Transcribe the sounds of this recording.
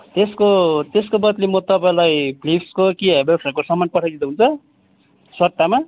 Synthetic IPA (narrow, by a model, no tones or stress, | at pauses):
t̪eskot̪eskobʌt̪limʌt̪ʌpaĩlajplipskokiebelsʌɾkosʌmːanpʌʈʰajdid̪eɦunt͡sʰʌ | swʌrt̪ama